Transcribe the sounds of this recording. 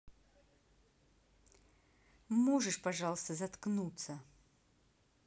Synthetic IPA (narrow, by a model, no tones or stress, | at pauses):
moʐɨʂpaʐalˠəst̪əzɐt̪knut̪sə